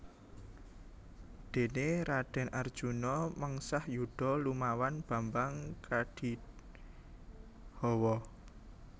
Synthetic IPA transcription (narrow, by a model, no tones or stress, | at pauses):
d̪̥e̤neɾaɖ̥ɛ̤nʔard̥ʒ̥unɔməŋsahjuɖ̥ɔ̤lumawanb̥ä̤mbaŋkʰaɖ̥i̤ | hɔwɔ